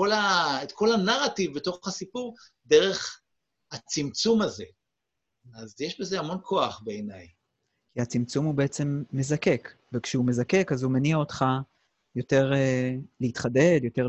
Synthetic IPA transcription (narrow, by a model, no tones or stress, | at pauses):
olaetko̞lanaʁativbeto̞χχasipuʁ | deʁe̞χ | hat͡simt͡sumaze̞ | azjeʃbe̞zeamo̞nkʰo̞aχbeːnaj | kiat͡simt͡sumubeet͡se̞mːe̞zake̞k | vekʃeume̞zake̞kazumeniao̞t̪χa | jo̞te̞ʁeleit̪χade̞djo̞te̞ʁ